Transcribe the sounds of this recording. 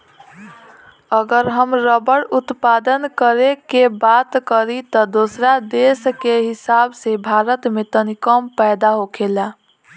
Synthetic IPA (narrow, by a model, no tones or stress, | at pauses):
əɡəɾɦəmɾəbəɽut̪pad̪ənkəɾekebat̪kəɾit̪ɔd̪osɾad̪eskeɦisabsebʱaɾət̪met̪ənikəmpəjd̪aɦokela